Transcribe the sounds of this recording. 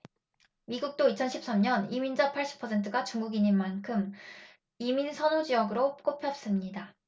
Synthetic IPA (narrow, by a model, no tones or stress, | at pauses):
miɡuk̚t͈oit͡ɕʰʌnɕʰip̚s͈amɲʌnimind͡ʑʌnpʰaɭɕ͈i̥pʰʌsʰe̞ntʰɯɡat͡ɕuŋɡuɡiɲinmankʰɯm | iminsʰʌnud͡ʑijʌɡɯɾok͈opʰjʌp̚s͈ɯmɲida